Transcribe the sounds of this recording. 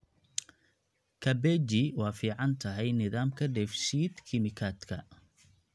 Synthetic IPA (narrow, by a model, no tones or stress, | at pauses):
kʰɐbɛd͡ʒɪwɑːfiːʕɑnt̪ʰɐɦɛjnɪðaːmkʰɐɖɛːfʃiːd̪kʰɪmɪkʰaːd̪kʰɐ